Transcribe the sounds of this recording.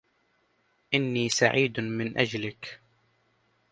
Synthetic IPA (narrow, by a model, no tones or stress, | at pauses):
ʔɪnːiːsaʕiːd̪mɪnʔad͡ʒlɪk